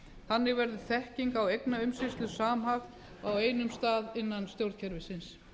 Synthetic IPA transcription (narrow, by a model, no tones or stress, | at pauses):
hanːɪɣvɛɾðʏθɛhciŋkawejknaʏmsɪst̪lʏsaːmɦaɣ | aweːjnʏmst̪aːðɪnːanst̪jowɾt̪cʰɛɾvɪsɪns